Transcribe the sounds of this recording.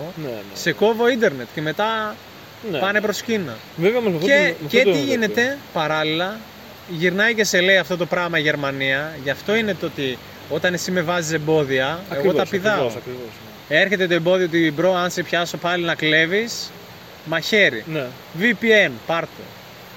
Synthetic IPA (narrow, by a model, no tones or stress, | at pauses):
nse̞ko̞vo̞ind̪e̞ɾnet̪ce̞me̞t̪ɐ | npɐne̞pɾo̞scinɐ | veveomɐzmɐfecet̪iʝine̞t̪e̞pɐɾɐlilɐ | ʝiɾnɐjce̞se̞le̞iɐft̪o̞t̪̬o̞pɾɐɣmɐiʝe̞ɾmɐniɐʝɐft̪oine̞t̪o̞t̪i | o̞t̪ɐne̞simevɐzise̞mbo̞ðiɐeɣo̞t̪ɐpiðɐoɐkɾivos | e̞ɾçe̞t̪e̞t̪oe̞mbo̞ðioot̪ibɾo̞ɐnsepçɐso̞pɐlinɐkle̞vis | mɐçe̞ɾḭne | vipienpɐɾt̪o̰